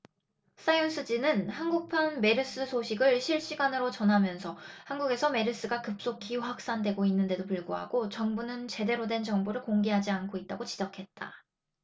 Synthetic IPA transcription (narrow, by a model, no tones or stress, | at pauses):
s͈ajons͈ʰɯd͡ʑinɯnhanɡuk̚pʰanme̞ɾɯs͈ɯsʰoɕʰiɡɯɭɕʰiɭɕ͈iɡanɯɾot͡ɕʌnɦamjʌnsʰʌhanɡuɡe̞sʰʌme̞ɾɯs͈ɯɡakɯp̚s͈okʰiuɸwak̚s͈andwe̞ɡoinːɯnde̞dopɯɭɡoɦa̰ɡ̥ot͡ɕʌŋbunɯnt͡ɕe̞de̞ɾodwe̞nt͡ɕʌŋboɾɯɭkoŋɡeɦad͡ʑiankʰoit̚t͈aɡot͡ɕid͡ʑʌkʰe̞t̚t͈a̰